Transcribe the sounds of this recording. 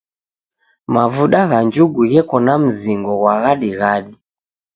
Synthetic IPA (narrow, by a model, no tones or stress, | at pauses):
mavuɗaɣaɲd͡ʒuɡuɣɛkɔnam̩ziŋɡɔɣwaɣaɗiɣaɗi